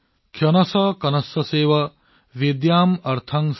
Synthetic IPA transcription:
kʰjɐnɐsɐkɐnɐsɐseːʋɐ | ʋid̪jaːmɐɾt̪ʰɐŋs

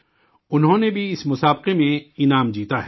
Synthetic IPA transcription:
ʊnɦõnebʱiɪsmʊsaːb̚qemẽɪnaːmd͡ʒiːt̪aɦɛː

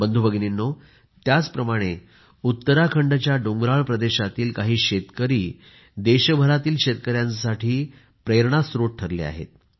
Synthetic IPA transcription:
bənd̪ʱubəɡninːo | t̪jat͡spɾəmaɽ̃e | ut̪ːəɾakʰəɳɖət͡ɕjaɖoŋɡɾaɭpɾəd̪eɕat̪iːlkaɦiːɕet̪kəɾiː | d̪eɕəbʱəɾat̪iːlɕet̪kəɾjãnsaʈʰiː | pɾeɾɳasɾoʈ̚ʈʰːəɾlḛa̰ɦḛt̪̚

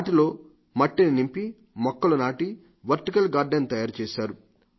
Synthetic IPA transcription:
aːʈilo̞ː | mɐʈːininimpi | mɔkːɐlɐnaːʈi | ʋɐɾʈikɐlɡaːɾɖɐnt̪ɐjaːɾt͡ʃeːʃaːɾu

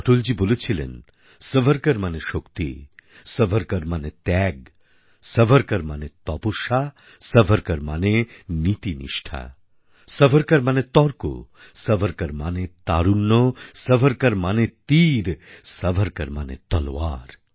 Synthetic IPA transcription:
ɔʈold͡ʒibolet͡ʃʰilḛn | sɐbʱəɾkɐɾmaneʃokt̪ḭ | səbʱəɾkɐɾmanet̪ɛɡ | səbʱɐɾkɐɾmanet̪ɔpuʃa | sɐbʱɐɾkɐɾmanenit̪inḭʃʈʰa̰ | sɐbʱɐɾkɐɾmanet̪ɔɾko̰ | sɐbʱɐɾkɐɾmanet̪aɾunːɔsɐbʱəɾkɐɾmanet̪iɾsɐbʱɐɾkɐɾmanḛt̪ɔlwa̰ɾ

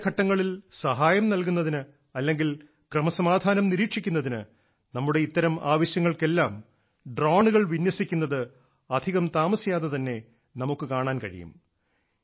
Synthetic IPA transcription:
kʰɐʈːɐŋːɐɭilsɐɦaːjɐmnɐlkun̪ːɐðinɨ | ɐlːe̞ŋɡil | krɐmɐsɐmaːd̪ʱaːnɐmniɾiːʈʂikʲːunːɐðinɨ | nɐmːuɽe̞it̪ːɐɾɐmaːʋɐɕjɐŋːɐɭke̞lːaːm | ɖroːɳuɣɐɭʋinjwɐsikʲːunːɐðɨ | ɐd̪ʱiɣɐmt̪aːmɐsijaːðet̪ɐnːe̞ | nɐmukːɨkaːɳaːnkɐɻḭjṵm

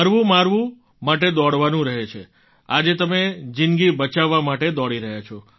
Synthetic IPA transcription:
əɾʋũmaɾʋũ | maʈ̬ed̪ɔɽʋanũɾəɦet͡ʃʰḛ | ad͡ʒet̪əmed͡ʒinɡibət͡ʃaʋːamaʈed̪ɔɭiɾəɦjat͡ʃʰɔ

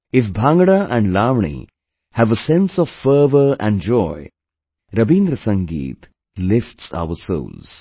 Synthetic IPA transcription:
ɪfbʱãŋɡəɽaʔæ̃ɳɖlaːmɳḭ | hæʋəsɛ̃nsɔʋfəːʋəɾæ̰̃ɳɖd͡ʒɔɪ | ɾʌbĩːnd̪ɾəsə̃ŋɡḭːt̪ | lɪfʈsa̰ʊəɾso̰ːlz̥

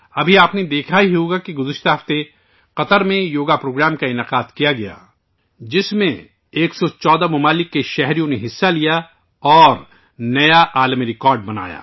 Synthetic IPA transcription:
ɐbʱiaːpned̪eːkʰaiɦɦoːɡakiɡʊzɪʃt̪aɦɐft̪e | qɐt̪əɾmẽjoːɡapɾoːɡɾaːmkaɪnaqaːd̪kijaɡɐja̰ː | d͡ʒɪsmẽ | eːksɔt͡ʃɔːd̪amɐmaːlɪkːeʃɛɦɾijõneɦɪsːalija | ɔːɾ | nɐjaʔaːlmiɾɪkɔːɾɖ̚bɐna̰ːja̰ː

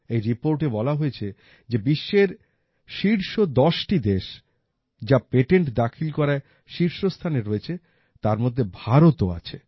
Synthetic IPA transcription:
ejɾipoɾʈebɔlaɦoet͡ɕʰe | d͡ʑebiʃːeɾ | ʃiɾʃod̪ɔʃʈid̪eʃ | d͡ʑapeʈeɳʈd̪akʰilkɔɾae | ʃiɾʃost̪ʰaneɾoet͡ɕʰe | t̪aɾmod̪ʱːebʱaɾot̪oa̰t͡ɕʰe

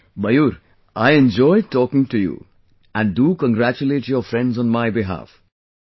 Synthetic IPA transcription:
bʌjuɾ | ajẽnd͡ʒɔjʈɔːkɪ̃ŋʈujṵ | æ̃nɖukə̃ŋɡɾæt͡ʃuleːʈjɔfɾɛ̃nɖzɔ̃nmajbiɦa̰f

